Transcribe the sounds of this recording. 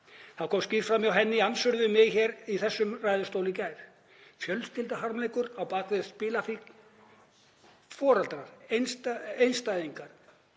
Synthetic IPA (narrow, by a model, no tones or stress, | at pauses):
θawkʰɔːmscɪr̥fɾamɪawɦɛnːɪansʏɾðʏmɪðçɛːɾiθɛsːʏmraːjðʏst̪owlɪcaːjɾ | fjœlst̪ɪlt̪ahaɾmlejkʏɾawpaːkvɪðspɪːlafi | fɔːɾalt̪ɾaɾ̥ensejnst̪ajðiŋkaɾ̥